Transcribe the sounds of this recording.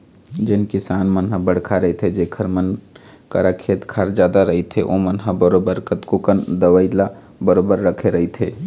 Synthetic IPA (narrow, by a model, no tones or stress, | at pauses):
d͡ʒɪnkisaːnmənɦabəɽ̤kʰaɾəɦet̪ʰed͡ʒekʰəɾmən | kə̰ɾakʰeːt̪kʰaːɾd͡ʒjaːd̪aɾəɦit̪ʰeʔo̰mənɦabəɾoːbəɾkət̪kokənd̪əʋəɪla | bəɾoːbəɾːəkʰeɾəɦit̪ʰeː